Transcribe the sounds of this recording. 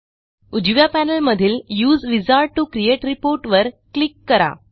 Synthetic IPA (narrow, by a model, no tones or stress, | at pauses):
ud͡ʑʋjapænəlməd̪ʱiːljuːzʋid͡zaɾ̚ʈukɾijeʈɾipoɾʈʋəɾklikːəɾa̰